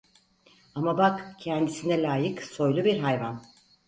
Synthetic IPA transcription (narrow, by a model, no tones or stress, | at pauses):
amabakcʰɛnd̪isinɛlʲaːjɯkso̞jlˠubiɾɦajvan